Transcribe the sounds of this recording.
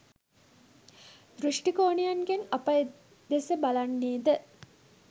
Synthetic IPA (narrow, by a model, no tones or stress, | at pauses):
d̪ɾuʂʈikoːnijanɡenapaj | d̪esəbalanːiːd̪ə